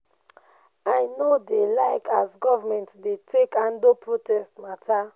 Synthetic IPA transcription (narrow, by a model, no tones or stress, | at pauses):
ajnodelaɪkazɡɔvamɛ̃ntdetʰekãndopʰɹotɛstmatʰa